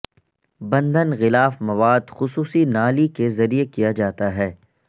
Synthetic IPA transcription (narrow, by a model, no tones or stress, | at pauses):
bɐ̃nd̪ənɣɪlaːfmɐʋaːd̪xʊsuːsinaːlikezɐɾijekijad͡ʒaːt̪aɦɛː